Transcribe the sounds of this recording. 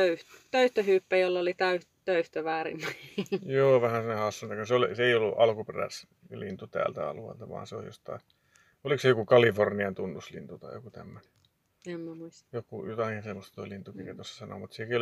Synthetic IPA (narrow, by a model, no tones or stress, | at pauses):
øyht̪t̪øyht̪øhyːpːæjolːolit̪æy | t̪øyht̪øʋæːrḭmːækijoːʋæhænsinːehɑsːunt̪ɑkuseoliseˑijolːuʔɑlkuperæ̰s | lint̪ut̪æ̰ːlt̪æɑ̰luḛlt̪ɑʋɑ̰ːnseo̰jo̰st̪ɑ̰i | oliksejokukɑliforniɑnt̪unːuslḭnt̪ut̪ɑijokut̪æ̰mːøne | emmæuist̪jokujot̪ɑkinsemːost̪t̪oilint̪ukiret̪osːɑ̥sɑno̰mut̪siekiol